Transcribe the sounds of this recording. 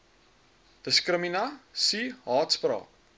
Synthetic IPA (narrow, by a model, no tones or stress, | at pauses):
d̥əskrəminɐsiɦɑːtsprɑ̰ːk̚